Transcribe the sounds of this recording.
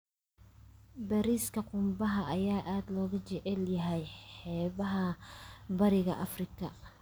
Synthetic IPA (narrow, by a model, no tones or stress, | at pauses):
bɐɾiːskʰɐqʊmbɐɦɐʔɐjaːʔaːd̪lɔːɣɐt͡ʃɛʕɛljɐɦɛjħɛːβɐɦɐbɐɾɪɣɐʔɐfrɪkʰɐ